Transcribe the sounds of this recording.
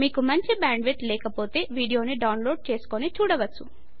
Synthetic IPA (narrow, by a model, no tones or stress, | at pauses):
miːkumɐɲt͡ʃibaːɳɖʋeʈlɛːkɐpo̞ːt̪e̞ːʋiːɖijo̞ːniɖɐwnlo̞ːɖ̚t͡ʃe̞ːsu̥konit͡ʃuːɽɐʋɐt͡sːu